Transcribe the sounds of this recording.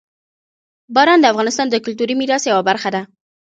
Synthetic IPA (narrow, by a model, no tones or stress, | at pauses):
bɑɾɑnd̪əafɣɑnɪst̪ɑnd̪əkʊlt̪uɾimiɾɑsjawabaɾxad̪a